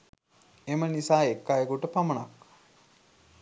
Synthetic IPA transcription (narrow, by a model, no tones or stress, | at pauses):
emənisaːekːajekuʈəpamənak